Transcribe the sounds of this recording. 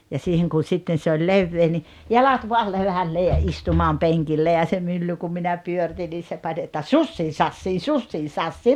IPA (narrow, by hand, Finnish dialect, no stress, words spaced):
jɑ siːheŋ kun̞ sitːen̞ se olʲ leʋːeː ni jɑlɑt ʋoɑl leʋælːeː jɑ istumɑːm peŋkilːe jɑ se mylːy kum minæ pyørĭtin niː se pɑnʲ etːæ susːiː sɑsːiː susːiː sɑsːiː